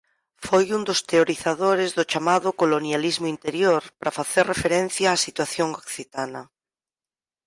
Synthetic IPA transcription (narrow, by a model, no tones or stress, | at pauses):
fojund̪ost̪eoɾiθaðoɾezðʊt͡ʃamaðʊkolonjalizmʊint̪eɾjoɾpɾafaθeɾrefeɾẽn̟θjaːsit̪waθjoŋokθit̪anɐ